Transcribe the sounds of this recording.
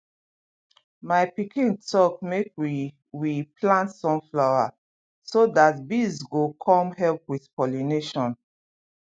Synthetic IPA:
maɪpikʰĩntɔkmekwi | wiplãntsɔ̃mflawa | sodatbizɡokʰɔ̃mhɛlpwið̥kɔlineʃɔ̃n

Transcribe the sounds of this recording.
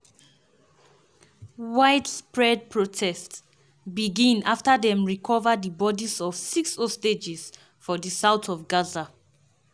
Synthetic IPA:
waɪdspɹɛd̚pʰɹotʰɛsts | biɡĩnaftəðɛ̃mɹikʰɔvədibɔdisɔv̥siksɔsted͡ʒɛs | fɔðəsaʊtʰɔvɡaza

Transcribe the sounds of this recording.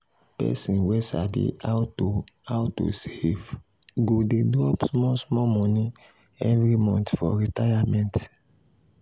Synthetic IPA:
pɛ̰sĩnwɛsabḭatoawtːo̰sev | ɡodedɾɔpsmɔsmɔmɔ̃nĩ | ɛvɾimɔ̃ntfɔ̰ɾitajamɛ̃nt

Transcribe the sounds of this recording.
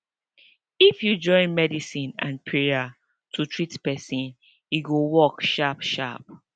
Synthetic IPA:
ifjud͡ʒɔ̃ɪ̃nmɛdisĩnã̰npʰɹeja | tʰutʰɹitpɛsĩn | jiɡowɔkʃapʃa̰p̚

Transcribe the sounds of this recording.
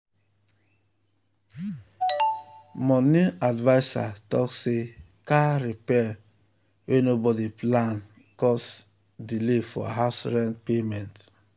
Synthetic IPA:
mɔniadvasa̰tɔksekaɾipɛ | wʔenobɔdiplan | kɔs | dilefɔ̰ɦasɾɛ̃npemɛ̃nt

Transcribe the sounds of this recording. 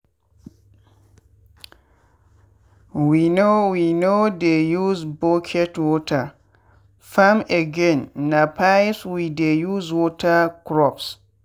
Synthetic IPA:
winowinodejuzbɔkʰɛtwɔtʰa | fameɡɛ̃nːapʰajswidejuzwɔtʰakɹɔps

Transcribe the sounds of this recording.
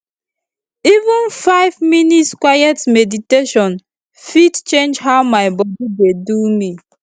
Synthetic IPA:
ivũnfaɪvminitskwajɛtmediteʃɔ̃n | fidt͡ʃẽnd͡ʒɦawmajbɔdidedumi

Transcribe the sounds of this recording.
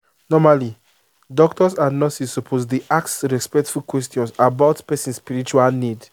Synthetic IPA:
nɔmali | dɔktɔsanɔsisːɔpʰosdiʔaktɹɛspɛktfulkwɛstjɔ̃nsabaʊtpɛsĩnspiɹit͡ʃualnid

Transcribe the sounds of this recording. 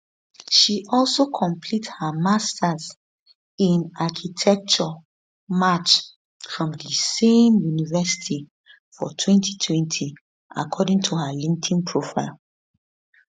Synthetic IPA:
ʃiʔɔlsokʰɔ̃mpʰlithəmastʰaz | ĩnakʰitʰɛk̚t͡ʃɔ | mat͡ʃ | fɹɔ̃mdəsẽmjunivɛsi̥tʰi | fɔ̰tʰwɛ̃ntʰi̥tʰwɛ̃ntʰi | a̰kʰɔdĩŋtʰuhəlĩŋtʰĩnpʰɹofaɪlˠ

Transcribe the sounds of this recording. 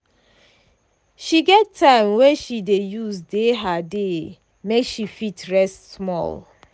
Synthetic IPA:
ʃiɡɛtʰːãɪ̃mwɛʃidejuzdeɦade | mekʃifitɹɛstsmɔ̰l

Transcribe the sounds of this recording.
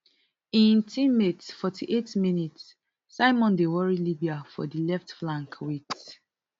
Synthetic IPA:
ĩntʰĩmetsfɔtʰiʔetminits | saɪmɔ̃ndewɔɹilibiafɔ̰dilɛftflãŋkwit

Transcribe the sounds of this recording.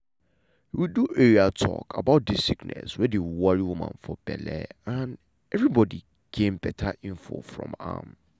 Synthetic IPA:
hiwiduʔeɹiatʰɔ̰kʰabaʊt̚dɪsiknɛ̰swɛdewwɔɹiwumã̰nfɔb̥ɛ̰lɛ̰ãn | ɛvɹibɔdi | kʰẽmbɛtʰaʔĩnfo̰fɹɔ̰̃ma̰m

